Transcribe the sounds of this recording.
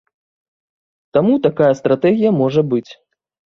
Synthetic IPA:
t̪amut̪akajɐst̪ɾat̪ɛɣʲijɐmɔʐɐbɨt͡sʲ

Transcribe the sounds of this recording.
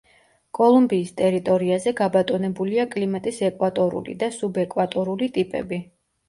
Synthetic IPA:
kʼɔlˠumbiːst̪ʼɛɾit̪ʼɔɾiazɛɡabat̪ʼɔnɛbuliakʼlimat̪ʼisɛkʼwat̪ʼɔɾṵlḭd̪asubɛkʼwat̪ʼɔɾulit̪ʼipʼɛ̰bi

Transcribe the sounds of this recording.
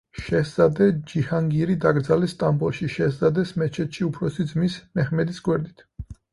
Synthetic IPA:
ʃɛszad̪ɛd͡ʒihaŋɡiɾid̪aɡɾd̪zalɛst̪ʼambɔlˠʃiʃɛszad̪ɛsmɛt͡ʃʰɛt̪ʃiupʰɾɔsid̪zmismɛχmɛd̪isɡwɛɾd̪it̪ʰ

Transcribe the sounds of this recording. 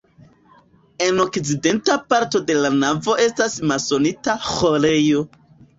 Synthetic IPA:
e̞no̞kt͡side̞ntapaɾto̞de̞lanavo̞ʔe̞stasmaso̞nitaxo̞ɾe̞jo̞

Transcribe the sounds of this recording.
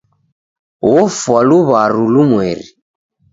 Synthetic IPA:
wɔfwaluβaɾulumwɛɾḭ

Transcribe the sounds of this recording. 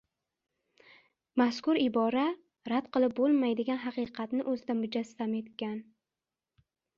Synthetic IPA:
maskʊɾɪbɒɾa | ɾad̪qʰɨlˠɪp̚bolˠmajd̪ɪɡʲanɦɑqɨqʰɑt̪nɪʔɵzɪd̪amʊd͡ʒast̪ame̞t̪kʲan

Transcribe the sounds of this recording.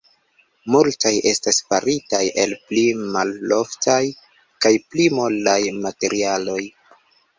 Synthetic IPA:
multajʔe̞stasfaɾitajʔe̞lplimalːo̞ftʰaj | kajplimuldajmate̞ɾialo̞j

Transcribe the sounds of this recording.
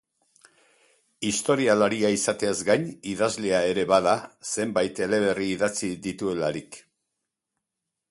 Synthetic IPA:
ist̪o̞ɾialaɾiaisat̪e̞azɡajɲiðazle̞ae̞ɾe̞βaðase̞mbajt̪e̞le̞βe̞riːðat͡siðit̪ue̞laɾik

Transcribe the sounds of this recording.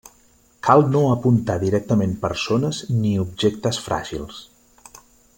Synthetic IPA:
kʰalˠnoəpunt̪aðiɾɛk̚t̪əmempə̰ɾsonəzniub̚ʒekt̪əsfɾʔa̰ʒḭlˠs

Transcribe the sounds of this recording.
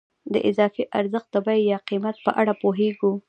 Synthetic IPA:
d̪əʔɪzɑfiʔaɾzəxt̪̚d̪əbajjɑqimat̪̚pəʔaɽapoɦeɡu

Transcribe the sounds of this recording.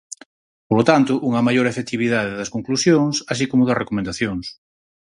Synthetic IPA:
polot̪ant̪ʊʔuŋɐmajoɾefet̪iβ̞iðaðeðɐskoŋklusjoŋsas̬ikomʊðɐsrekomẽnd̪aθjoŋs

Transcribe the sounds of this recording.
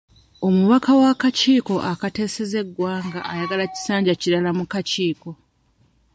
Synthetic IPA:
o̞muβakawakaciːko̞ʔakate̞ːse̞ze̞ɡwaːŋɡaːjaɡalaci̥saːɲɟaciɾalamukaciːko̞

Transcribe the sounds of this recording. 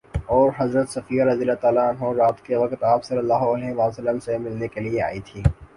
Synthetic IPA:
ɔːɾɦɐzɾət̪sɐfiːjaɾɐzijəlat̪aːlaɐnɦoɾaːt̪keʋɐkt̪aːpsɐlːəlːaːɦoɐleɦɪmaːsəlːəmsemɪlnekeliea̰ːit̪ʰiː

